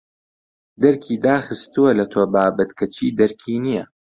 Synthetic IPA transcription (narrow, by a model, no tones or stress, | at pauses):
d̪ɐɾkʰiːd̪aːxɨst̪uwɐlɐt̪ʰoːbaːbɐt̪kʰɐt͡ʃʰiːd̪ɐɾkʰiːnijɐ